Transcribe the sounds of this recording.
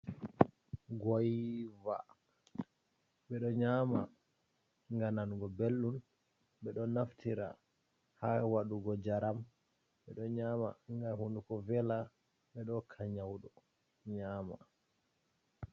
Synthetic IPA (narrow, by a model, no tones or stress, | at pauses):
ɡɔjva̰ | ɓɛɗɔɲama̰ | ŋɡananɡɔbelːun | ɓɛɗɔnaftiɾa̰ | hawaɗuɡɔd͡ʒaɾam | ɓɛɗɔɲaːmaŋɡahundukɔvɛla | ɓɛɗɔkʰaɲawɗɔ | ɲaːma̰